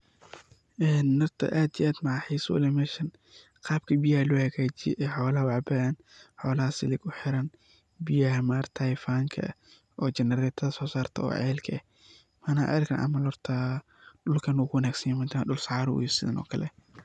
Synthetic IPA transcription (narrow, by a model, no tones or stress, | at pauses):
ʔɛːnːɐrt̪ʰɐ̰ʔaːd̪ḭʔaːd̪mɑʕɑħijswʊ̰lɛmɛːʃɐn | qɑːb̚kʰɐbɪjɐhɐlʊhɐɣaːt͡ʃɪjɛ̰ʔɛːħɔːlɐhɐwɑʕbɐɐn | ħɔːlɐhɐsɪlɪɡʊħɪɾɐn | bɪjɐɦɐmaːrt̪ʰɐjfaːŋkʰɐ̰ | ʔɔːt͡ʃɛnɛɾɛːt̪ʰɐðɐsɔːsaːrt̪ʰɐ̰ɔ̰ːʕɛ̰ːlkʰɐɛh | mɐnaʕɛ̰ːlkʰɐnʔɐ̰mɐlɔrt̪ʰɐ | ɗʊlkʰɐnʊːkʊwɐnaːɡsɐnjɛmɐnt̪ʰaɗʊlsɑʕɑːɾʊ̰jsɪðɐ̰nʔɔ̰ːkʰɐlɛ